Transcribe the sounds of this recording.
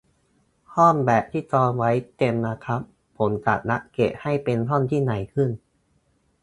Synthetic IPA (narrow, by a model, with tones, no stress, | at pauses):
hɔː˥˩nbɛː˨˩p̚t̪ʰiː˥˩t̪ɔː˧nwa˦˥jt̪e˧mna˦˥kʰa˦˥pʰːo˩˦nka̰˨˩t̪̚na˦˥ʔke˨˩ha˥˩jpe˧nɔ˥˩nt̪ʰiː˥˩na˨˩˦jkʰɯ˥˩n